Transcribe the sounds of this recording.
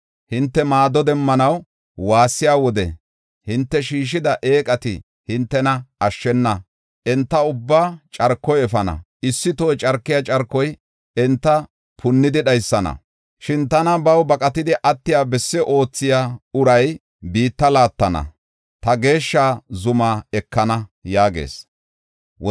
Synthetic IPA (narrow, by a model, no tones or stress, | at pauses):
hɪnt̪ːɛmaːd̪ɔd̪ɛmːɐnɐw | waːsːɪjaːwɔd̪ɛ̰ | hɪnt̪ːɛʃiːʃ̬ɪd̪ɐʔe̞ːkʼɐt̪ɪ̰ | hɪnt̪ːɛnɐɐʃːɛnːɐ | ʔɛnt̪ːɐʊbːaːt͡ʃʼɐɾkːɔjɛfɐnɐ̰ | ɪsːɪt̪ojt͡ʃʼɐɾkːɪjat͡ʃʼɐɾkːɔj | ɛnt̪ːɐ | pʰʊnːɪd̪ɪɗɐjsːɐnɐ̰ | ʃɪnt̪ɐnɐbɐwbɐkʼɐt̪ɪd̪ɪʔɐt̪ːɪjaːbɛsːɛʔo̞ːt͡sːɪjaːʊɾɐj | biːt̪ːɐlaːt̪ːɐnɐ̰ | t̪ɐɡe̞ːʃːaːzʊmaːɛkːɐnɐjaːɡḛːs | w